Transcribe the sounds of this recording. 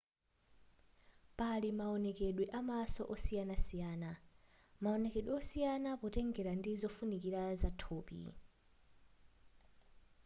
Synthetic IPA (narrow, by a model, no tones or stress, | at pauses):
palimaɔnɛkeɗwiʔamasɔ̰ʔɔsijanasijaːna | maɔnɛkeɗwiɔsijanapɔtɛŋɡɛɾandizɔfunikiɾazatʰoːpḭ